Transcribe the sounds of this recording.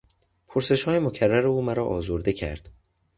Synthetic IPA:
pʰoɾse̞ʃhɒːjemocʰærːæɾeuːmæɾɒːʔɒːzoɾd̪ecʰæ̰ɾd̪̥

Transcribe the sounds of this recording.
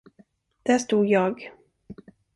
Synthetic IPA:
d̪̥æʂt̪uːd̪jɑːɡ

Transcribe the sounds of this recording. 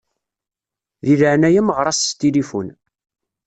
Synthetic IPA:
ðiðəʕnæjəmʁɾˤɑst̪ilifṵn

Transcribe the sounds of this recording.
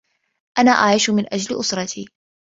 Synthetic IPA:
ʔanaːʔaʕɪʃʊmɪnʔad͡ʒalʔʊsɾˤɑt̪ʰiː

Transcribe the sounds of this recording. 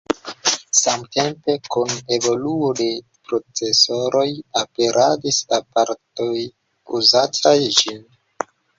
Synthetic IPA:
samte̞mpe̞kune̞vo̞luode̞ | pɾo̞t͡se̞so̞ɾo̞jape̞ɾʔadisapaɾto̞j | uzatʰajd͡ʒin

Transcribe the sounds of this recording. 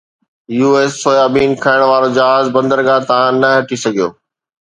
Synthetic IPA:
juːeːsːoːjaːbiːnkʰaːɪɽ̃ʋaːɾod͡ʑɐɦaːzbɐ̃nd̪əɾɡat̪ɐʋ̤ãnɐɦɐʈʰisɐɡʱijo̰ː

